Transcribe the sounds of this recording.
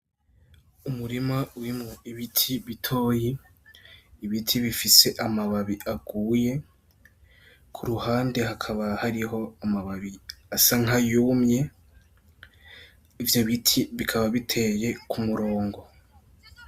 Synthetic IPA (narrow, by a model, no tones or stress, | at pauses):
umuɾimauɾimŋoiβitʰiβitʰo̞ːjiː | βitʰiβifise̞ʔamaβaβiʔaɡ̥uːje̞ | kʰuɾuhaːnde̞ɦakʰaβahaɾiɦo̞amaβaβiasaŋ̥ajuːmɲe̞ | ivjo̞βitʰiβikʰaβaβitʰe̞je̞kʰumuɾo̞ːŋɡo̞